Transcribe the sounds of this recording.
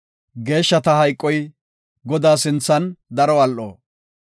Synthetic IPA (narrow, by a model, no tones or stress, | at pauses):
ɡe̞ːʃːɐt̪ɐhɐjkʼːɔj | ɡɔd̪aːsɪnt͡sːɐnd̪ɐɾɔɐlʔo̰ː